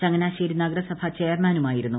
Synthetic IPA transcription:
t͡ɕɐŋːɐnaːɕeːɾunɐɡɐɾɐsɐbʱɐt͡ɕejɐrmaːnumaːjiɾunːu

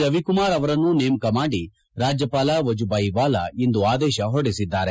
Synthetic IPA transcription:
ɾɐʋikumaːɾɐʋɐɾɐnːuneːmkɐmaːɽi | ɾaːd͡ʒjɐpaːlɐʋɐd͡ʒubaːjibaːlɐ̰ind̪uaːd̪ɛːʃɐɦoɽisid̪ːaːɾe

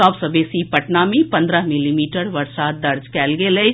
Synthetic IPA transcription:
ɔːpsəbeːsipɐʈnaːmẽpɐ̃nd̪ɾəɦmɪlimiːʈəɾʋɐɾsaːd̪̚ːɐɾd͡ʒkɛːlɡele

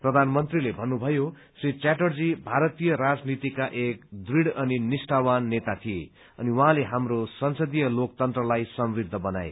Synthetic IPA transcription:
prʌd̪ʱanmʌnt̪rilebʱʌnːubʱʌjo | srit͡saʈʌrd͡zibʱaɾʌt̪ijʌɾad͡znit̪ikaʔekd̪riɽʌninisʈawanːet̪at̪ʰije | ʌniwaɦãleɦamrosʌnsʌd̪ijʌlokt̪ʌnt̪rʌlajsʌmrid̪ʱːʌbʌna̰je

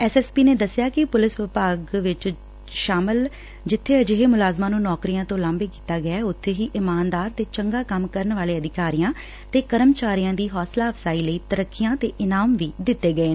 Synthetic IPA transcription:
ɛːsɛːspiːneːd̪əsːɪjaːkɪpʊlɪsʋɪpaːɡʋɪt͡ʃ | ʃaːmɪl | d͡ʒɪt̪ʰːeːəd͡ʒɪɦeːmʊlaːzmãːnũːnɔːkɾijãːt̪õːlãːmbeːki̥ːt̪aːɡəaːʊt̪ʰːeːɦiːʔɪmaːnd̪aːɾt̪eːt͡ʃəŋɡaːkəmkəɾənʋaːleːəd̪ɪkaːɾijãː | t̪eːkəɾəmt͡ʃaːɾijãːd̪iːɦɔːslaːʋsaːiːləiːt̪əɾəkːɪjãːt̪eːʔɪnaːmʋiːd̪ɪt̪ːeːɡəeːn

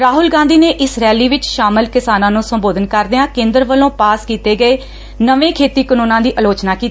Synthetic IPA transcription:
ɾaːɦʊlɡãːnd̪iːneːʔɪsɾɛːliːʋɪt͡ʃʃaːməlkɪsaːnãːnũːsəmboːd̪ənkəɾd̪ɪãːkẽːnd̪əɾʋəlõːpaːskiːt̪eːɡəeː | nəʋẽːkʰeːt̪iːkənõːnãːd̪iːʔəloːt͡ʃnaːkiːt̪i

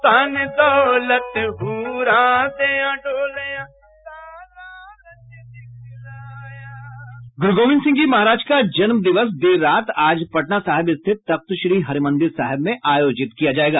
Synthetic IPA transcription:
t̪anɪt̪olɐt̪ɦuɾaːt̪eãɖoːleã | ɡʊɾʊɡoːmɪ̃nsɪ̃ŋɡd͡ʒimɐɦaːɾaːd͡ʒkad͡ʒɐnməd̪ɪʋəs̬d̪eːɾːaːt̪aːd͡ʒpɐʈnasaːɦɪbɪst̪ʰɪt̪ːɐk̚t̪ʊʃɾiːɦɐɾɪmə̃nd̪ɪɾsaːɦɪbmẽʔaːjoːd͡ʒɪt̪kijad͡ʒaːeːɡaː

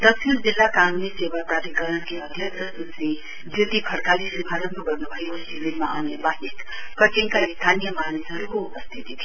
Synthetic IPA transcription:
d̪ʌsʰild͡zilːakanunisebapɾaɾikʌɾənkiʌd̪ʱjʌksʰʌsut͡si | d̪ut̪ipʰʌɽkalisibʱaɾʌnpoɡʌrnubʱʌekosiminmaa̰wnebasik | prʌt̪iŋkaist̪ʰanijʌmanisɦʌɾukoupʌst̪ʰit̪it̪ʰi

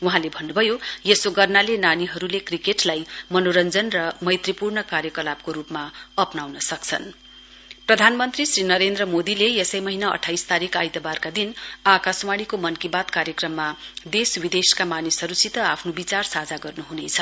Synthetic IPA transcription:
uɦãlebʱʌnːubʱʌjojesoɡʌrnalenaniɦʌɾulekrikeʈlajmʌnoɾʌnd͡zʌnrʌmʌjt̪ripurnʌkarjʌkʌlab̚koɾupmaʌpnawnʌsʌkt͡sʰʌ̰n | prʌd̪ʱanmʌnt̪risrinʌɾend̪rʌmod̪ilejesʌjmʌɦinaʌ̰ʈʰːajst̪aɾikajt̪ʌbarkad̪inakasmaɽ̃ikomʌnkibat̪kaɾjʌkrʌmːad̪eswid̪eskamanisʌɾusit̪ʌapʰnobit͡sarsad͡zaɡʌrnuɦunejt͡sʰʌ

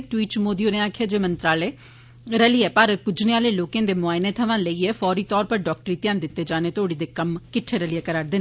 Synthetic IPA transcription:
ʈwiːʈt͡ʃmoːd̪iːonẽːaːkʰjaːd͡ʒeːmənt̪ɾaːleː | ɾəliɛːpaːɾət̪̚kʊd͡ʒneaːleːloːkãːd̪eːmʊaːɪneːt̪ʰəʋãːləiːeːfʰɔːɾiːt̪ɔːɾpəɾɖɔːk̚ʈəɾiːt̪jãːnd̪ɪt̪ːeːd͡ʒaːneːt̪ʰoːɽiːd̪eːkəmkɪʈʰeːɾəlɪjaːkəɾaːɾd̪ɪːn

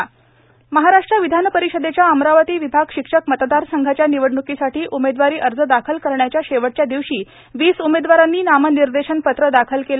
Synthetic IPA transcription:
məɦaɾaʂʈɾaʋid̪ʱanəpəɾiɕəd̪et͡ɕjaəmɾaʋət̪iːʋibʱaɡɕikʂəkmət̪d̪aɾsəŋɡʱat͡ɕjaniʋəɽɳukisaʈʰiːʔumed̪ʋaɾiːʔəɾd͡zəd̪akʰəlkəɾɳjat͡ɕjaɕeʋəʈ̚t͡ɕjad̪iʋɕiː | ʋiːsumed̪ʋaɾanːiːnaməniɾd̪eɕənpət̪ɾəd̪akʰəlkel

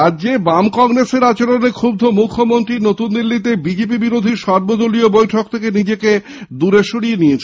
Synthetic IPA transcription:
ad͡ʑebamkɔŋɾeseɾat͡ɕaɾonekʰub̚d̪ʱomukʰːomont̪ɾinot̪und̪ilːit̪ebid͡ʑepibiɾod̪ʱiʃɔɾbod̪oliobojʈʰok̚t̪ʰekenid͡ʑeke | d̪uɾeʃuɽijenijet͡ɕʰe

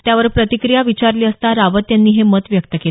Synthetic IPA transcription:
t̪jaʋəɾpɾət̪ikɾijaʋit͡ɕaɾliːəst̪aɾaʋət̪janːiːɦemət̪ʋjək̚t̪əke

